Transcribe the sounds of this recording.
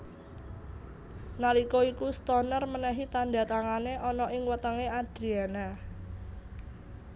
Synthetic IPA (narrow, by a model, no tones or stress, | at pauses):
nalikoikust̪ɔnərmənɛɦit̪anda̤t̪aŋaneʔɔnɔʔɪŋwət̪əŋead̪̥ɾiana